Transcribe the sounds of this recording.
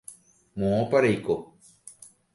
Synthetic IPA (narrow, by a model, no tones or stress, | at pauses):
mõopaɾejko